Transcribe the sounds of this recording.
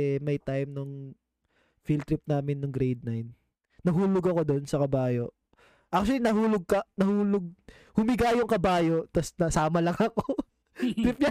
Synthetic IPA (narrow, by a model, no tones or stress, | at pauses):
ɛmɐjt̪ajmnʊŋ | filt̪ɾɪp̚naːmɪnːʊŋɡɾejd̪̚najnː | ɐɦuːloɡɐko̞d̪o̞nsɐkɐbaːjo̞ʔ | ʔak̚t͡ʃʊɐlinɐɦuːloɡ̚kɐnɐhuːloɡ̚ | hʊmɪɡajʊŋkɐbaːjo̞ʔt̪ɐsnɐsaːmɐlɐŋɐko | tɾɪp̚ɲɐ